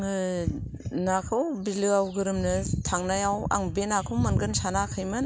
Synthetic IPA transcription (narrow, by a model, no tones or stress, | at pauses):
nakʰɯwbilɯawɡɯɾɯmnɯtʰaŋnajawa̰ŋbenakʰɯwmanɡɯnsanakʰɯjmɯn